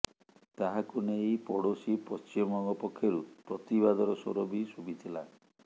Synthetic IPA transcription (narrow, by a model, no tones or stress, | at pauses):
t̪aɦakunejpɔɽosipɔst͡ʃimɔŋɡɔpɔkʰːjɔɾupɾɔt̪iβad̪ɔɾɔso̰ɾobisubit̪ʰila̰